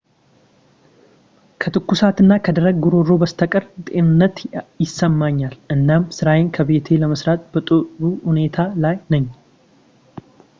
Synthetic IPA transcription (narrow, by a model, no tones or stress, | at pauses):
kʰət̪ʰɨkːusat̪ɨnːakʰəd̪əɾəɡ̚ɡuɾo̞ɾo̞bəst̪ʰəkʼəɾt̪ʼe̞nɨnːət̪jɪsːəmːaɲːalʔɨnːamsɨɾajenkʰəβe̞t̪ʰe̞ləməsɾat̪̚ʼbət̪ʼɨɾuhune̞t̪ʰalajnəɲː